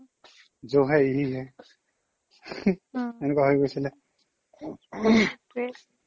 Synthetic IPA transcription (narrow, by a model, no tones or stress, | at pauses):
zoɦaiɦiɦɛ | ɛnɛkuwaɦojɡojsilɛ